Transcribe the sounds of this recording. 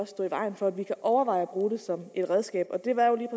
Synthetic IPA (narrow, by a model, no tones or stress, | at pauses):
ɒsd̥ɔ̰ːiʋɑ̈ɪn̩fɒ̽æd̥ʋikʰæʔɒʊɐʋɑ̈ɪ̰b̥ʁuːde̝sɒ̽me̝d̥ʁɛðˠsɡ̥ɛ̰ːb̥ɒ̽d̥e̝ʋɑ̈jo̝liːpʰ